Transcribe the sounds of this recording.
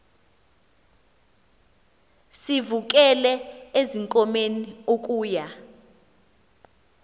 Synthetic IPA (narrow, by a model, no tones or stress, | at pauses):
sivuk̬ʼɛlɛeziŋkʼɔmeniok̬ʼuːja